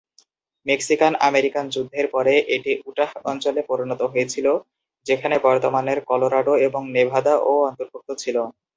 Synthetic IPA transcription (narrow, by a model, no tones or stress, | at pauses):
meksikanameɾikand͡ʑud̪ʱːeɾpɔɾeʔeʈiʔuʈahɔnt͡ɕolepɔɾinɔt̪oɦojet͡ɕʰilo | d͡ʑekʰanebɔɾt̪omaneɾkɔloɾaɖoeboŋnebʱad̪aʔoɔnt̪oɾbʱuk̚t̪ʰːot͡ɕʰilo